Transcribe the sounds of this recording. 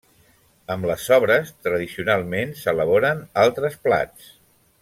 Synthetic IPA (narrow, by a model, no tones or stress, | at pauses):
əmləzɔβɾəst̪ɾəð̞isiunalˠmensələβ̞oɾənalˠt̪ɾəspla̰t͡s